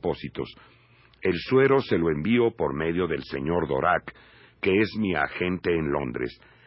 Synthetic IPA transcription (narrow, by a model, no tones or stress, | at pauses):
po̞sit̪o̞̰s | e̞lswe̞ɾo̞se̞lo̞e̞mbio̞po̞ɾme̞ðjo̞ðe̞lse̞̰ɲo̞ɾðo̞̰ɾʔakː | e̞e̞zmia̰xe̞nt̪e̞ːnlo̞̰nd̪ɾḛs